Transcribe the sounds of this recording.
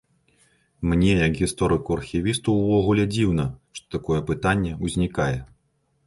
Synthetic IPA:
mnʲɛjɐɡɣʲist̪ɔɾɨkuɐrxʲivʲist̪uwvɔɣulʲɛd͡zʲiwn̪ɐʂt̪ɔ̥t̪akɔjɛpɨt̪anʲːɛuzʲnʲikajɛ

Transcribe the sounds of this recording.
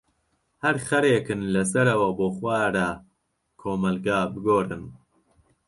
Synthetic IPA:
hɐɾχɐɾeːkɨnlɐs̬ɐɾɐwɐboːxwaːɾaː | kʰoːmɐlɡaːbɨɡoːrɨ̰n

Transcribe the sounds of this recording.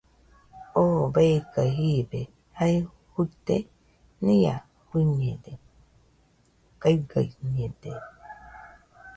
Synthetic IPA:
obekaɦibe | hai | hut̪e | nĩja̰ | hiɲed̪e | kajɡa̰iɲed̪e

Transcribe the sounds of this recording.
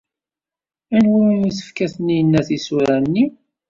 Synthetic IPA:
ænwuumiθə̥fkæθənːijənːæθisuɾænːi

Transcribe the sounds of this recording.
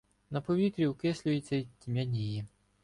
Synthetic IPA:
nɐpɔʋʲit̪ɾʲiwkɛsʲlʲʊjɪt͡sʲːɐitʲimʲɐnʲiji

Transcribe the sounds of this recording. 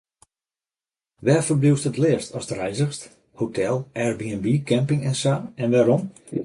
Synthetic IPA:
ʋɛːfərbluwstətlɪːəstɔsdərɛjzəxst | hotʰɛlˠʔɛɹbiɛnbikɛmpɪŋɛnsaːɛnʋaːɾɔm

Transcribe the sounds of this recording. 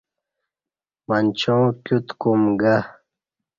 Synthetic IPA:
mɐnʲt͡ɕʰõːkʲut̪kumɡa

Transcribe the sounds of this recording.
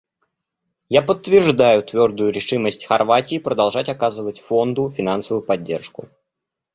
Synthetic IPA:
japət̪ːvʲɪrʐd̪ajʊt̪vʲo̞rd̪ʊjʊɾʲɪʂɨməsʲtʲxɐrvatʲɪːpɾəd̪ɐlˠʐatʲɐkazɨvətʲfo̞nd̪ʊfʲɪnansəvʊjʊpɐdʲːe̞rʂkʊ

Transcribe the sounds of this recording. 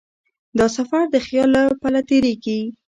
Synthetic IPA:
d̪ɑsafaɾd̪əxjɑlːapalat̪eɾeɡi

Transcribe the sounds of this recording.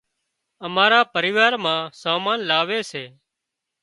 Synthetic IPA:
əmaːɾaːpəɾɪːʋaːɾmãːsaːmaːnlaːʋeːseː

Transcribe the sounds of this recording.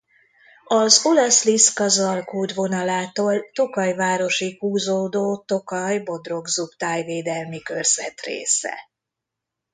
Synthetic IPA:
ɒzolɛsliskɒzɒlkoːd̪vo̞nɒlaːt̪oːlt̪o̞kɒjvaːɾo̞ʃihuːzoːd̪oːt̪o̞kɒjbo̞d̪ro̞ɡzupt̪aːjveːd̪ɛlmikø̞rz̥ɛt̪rḛːsɛ̰

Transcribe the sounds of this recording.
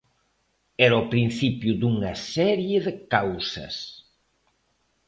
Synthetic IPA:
ɛɾopɾin̟θipjud̪uŋɐsɛɾjeðekawsɐ̰s

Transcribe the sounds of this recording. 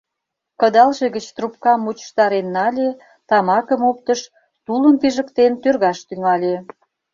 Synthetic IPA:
kə̆d̪ɑlʒeɣət͡ɕt̪rup̚kɑmːut͡ɕə̥ʃt̪ɑɾenːɑlʲe | t̪ɑmɑkəmop̚t̪əʃ | t̪uləmpiʒə̆kt̪ent̪ørɣɑʃt̪yŋɑlʲe

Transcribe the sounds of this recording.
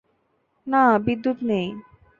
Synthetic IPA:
nabid̪ːut̪nej

